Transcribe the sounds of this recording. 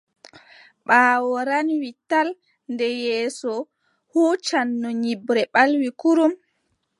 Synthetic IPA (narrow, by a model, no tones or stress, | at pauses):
ɓaːwɔɾanwital | ndɛjɛːsɔ | huːt͡ʃanːɔɲibɾɛɓalwikuɾum